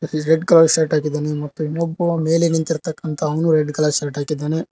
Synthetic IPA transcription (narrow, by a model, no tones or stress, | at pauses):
ɾeɖkɐlaːɐɾʈaːkid̪ːaːnemɐt̪ːuinobːɐʋɐme̞ːlenint̪iɾt̪ɐkːɐnt̪ʰɐːʋɐnuɾeɖkɐlaːsɐɾʈaːkid̪ːaːne